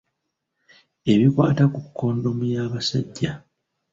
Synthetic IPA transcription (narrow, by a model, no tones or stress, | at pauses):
e̞βikwaːtakukʰːo̞ːndo̞mujaːβasaɟːa